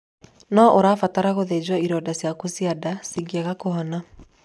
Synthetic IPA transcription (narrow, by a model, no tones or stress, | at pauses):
nɔʔoɾaːfataɾaɣoðed͡ʑwaiɾɔdasjakosiadasiɡiaɣakoɦɔna